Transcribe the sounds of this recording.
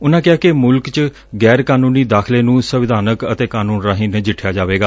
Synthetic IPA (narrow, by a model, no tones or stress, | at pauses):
ʊnãːkɪaːkɪmʊlkt͡ʃ | ɡɛːɾkaːnũːniːd̪aːkʰleːnũːsəʋɪd̪ʱaːnəkət̪eːkaːnuːnɾaːɦiːnd͡ʒɪʈʰjaːd͡ʒaːʋeːɡaː